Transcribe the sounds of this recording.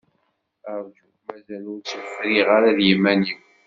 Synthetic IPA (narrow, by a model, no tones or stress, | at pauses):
əɾˤd͡ʒu | mæzælʊɾt͡sːəfɾiʁaɾaðjimːæniw